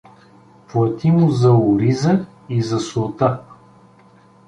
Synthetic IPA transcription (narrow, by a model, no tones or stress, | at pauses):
plˠɐt̪imʊzɐʊɾizə | izɐsʊt̪a